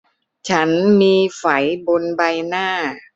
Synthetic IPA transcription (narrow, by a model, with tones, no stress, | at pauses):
t͡ɕʰa˦˥nmiː˧fa˩˦jbo˧nba˧jnaː˥˩